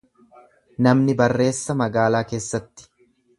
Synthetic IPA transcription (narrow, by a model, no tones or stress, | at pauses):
nɐmnɪbɐrːe̞ːsːɐmɐɡaːlaːke̞ːsːɐt̪ːɪ̥